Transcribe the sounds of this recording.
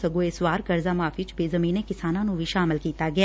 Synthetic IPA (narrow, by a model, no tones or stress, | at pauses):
ɐɡoeswaːɾkɐɾzamaːfit͡ʃbezɐmiːnẽkɪsaːnãnũbʱiʃaːmɪlkiːt̪aɡɐja